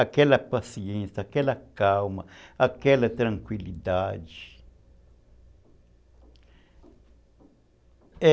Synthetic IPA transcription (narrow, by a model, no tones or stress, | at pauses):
akɛlɐpasiẽsjakɛlɐkawmɐakɛlɐt̪ɾɐ̃ŋkwilid̪ad͡ʒi | e